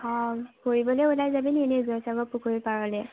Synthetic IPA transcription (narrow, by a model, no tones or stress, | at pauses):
hɔkoɹibɔlejulajzabiniɛnɛzɔjsaɡɔpukʰuɹipaɹɔlɛ